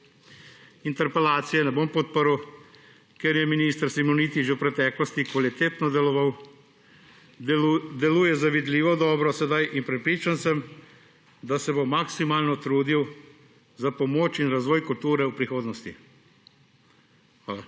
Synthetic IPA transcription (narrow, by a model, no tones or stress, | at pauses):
int̪ɛɾpɛlaːt̪sijɛnɛboːmpɔt̪̚pəɾw | keɾjɛminist̪ɾsimoniːt̪iʒewpɾɛt̪ɛːklɔst̪ikʋalit̪eːt̪nɔd̪ɛlɔʋaw | d̪ɛluːjɛzaʋid̪liːʋɔd̪ɔːbɾɔsɛd̪ajʔinpɾɛpɾiːt͡ʃansɛm | d̪asɛbomːaksimaːlnɔt̪ɾuːd̪iw | zapɔmoːt͡ʃinɾazʋɔːjkult̪uːɾɛupɾixoːd̪nɔst̪i | xʋaːla